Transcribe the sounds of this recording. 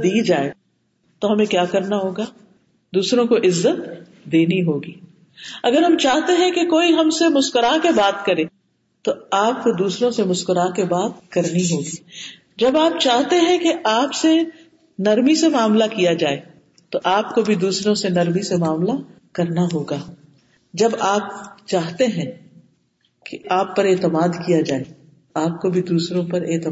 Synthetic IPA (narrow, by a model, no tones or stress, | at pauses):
d̪iːd͡ʒaːe | t̪oɦɐmẽkjaːkɐɾnaɦoːɡaː | d̪uːsɾõkoʔɪzːət̪̚ | d̪eːniɦoːɡiː | ɐɡəɾɦɐmt͡ʃaːɦt̪eɦɛ̃kekoːiɦɐmsemʊʃkəɾaɦkebaːt̪kɐɾẽː | t̪oaːp̚kod̪uːsɾõsemʊskəɾaɦkebaːt̪̚kɐɾniɦoːɡiː | d͡ʒɐbaːp̚t͡ʃaːɦt̪eɦɛ̃keʔaːpse | nɐɾmisemaːmlakijad͡ʒaːe | t̪oʔaːp̚kobʱid̪uːsɾõsenɐɾmisemaːmla | kɐɾnaɦoːɡaː | d͡ʒɐbaːp̚t͡ʃaːɦt̪eɦɛ̃ | keʔaːpːɐɾeːt̪əmaːd̪kijad͡ʒaːe | aːp̚kobʱid̪uːsɾõpɐɾeːt̪ə